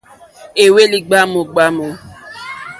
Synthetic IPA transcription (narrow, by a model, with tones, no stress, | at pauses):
e˨we˦li˦ɡ͡ba˦mʊ˨ɡ͡ba˦mʊ˨